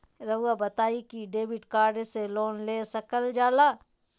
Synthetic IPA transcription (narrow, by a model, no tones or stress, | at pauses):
ɾɐʋabɐt̪aːikiɖeːbɪʈkaːɾɖseloːnleːsɐkəld͡ʒaːlaː